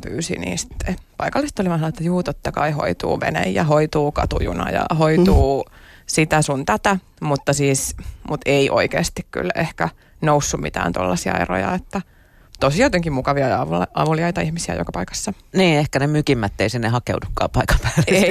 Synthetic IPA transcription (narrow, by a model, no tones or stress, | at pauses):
py̰ːsḭnḭːst̪ːepɑikɑlːist̪ːoliʋɑnsɑlɑet̪ːæjuːt̪ot̪ːɑkɑiho̰it̪ṵːʋḛnḛjjɑhoit̪uːkɑ̰t̪ṵjṵnɑ̰jɑ̰hoit̪uːsit̪æsunt̪æt̪æ | mut̪ːɑsiːsmut̪eiʔo̰ikḛːst̪ikky̰lehkæ | nousːummḭt̪æ̰ːnt̪o̰lːɑsiɑ̰ḛro̰jɑ̰et̪ːæ | t̪osijɑt̪eŋkimukɑʋiɑʋlʔɑʋuliɑit̪ɑihmisiæ̰jo̰kɑpɑikɑ̥sːɑ | niːehkænemykimːæt̪ːeisinːehɑkeudukːɑ̰ːpɑikɑmpæ̥ːlee